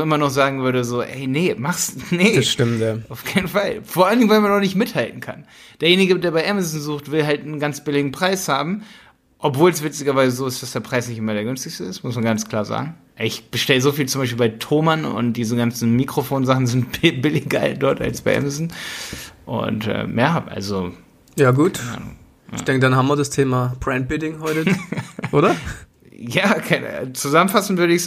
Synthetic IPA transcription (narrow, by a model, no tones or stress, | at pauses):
ʔɪmɐnɔχz̥aːɡŋ̩vʏɐdəzoːʔɛ̰ɪnəmaχsnəsʃtɪmtaʔaʊfkʰaɪnən̩falfoːɐʔaləndɪŋvaɪmanːɔχnɪçtmɪthaltn̩kʰa̰n | d̥eːɐjeːnɪɡədeːɐbaɪʔɛmazn̩zuːxtv̥ɪlɦaltnənɡant͡sb̥ɪlɪɡŋ̩pʁ̥aɪshaːbm̩ | ʔɔpv̥oːls̬v̥ɪt͡sɪɡɐvaɪzəzoːɪstd̥asd̥eːɐpʁ̥aɪsnɪçtʔɪmɐɾeːɐɡʏnstɪçstəɪstmʊsmanɡanskl̥aːɐza̰ːɡŋ̩ʔɛɪçb̥əʃtɛləzoːfiːlt͡sʊmbaɪʃ̬p̬iːlbaɪtʰoːmanʊ̰nt̚d̥iːzəɡant͡sn̩miːkʁ̥ofoːnzaχn̩zɪntb̥ɪbɪlɪçɡa̰ld̥ɔɐta̰lsb̥aɪʔɛ̰mazn | ʔʊ̰ntʔɛ̰ːjaɐhabʔa̰lzo | jaːɡuːta̰n̰ | aç̰dɛŋkədanhaːmviɐdastʰeːmab̥ʁɛnt̚b̥ɪdɪŋhɔʏtəʔoːɾɐ | jaːkʰaɪnə̰t͡suzamənfasn̩v̥ʏɐɾəɪçs